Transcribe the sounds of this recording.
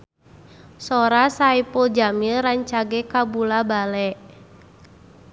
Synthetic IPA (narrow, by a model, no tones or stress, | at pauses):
sɔɾasaipɔd͡ʒamiraɲt͡ʃaɡɛkabulabalɛʔ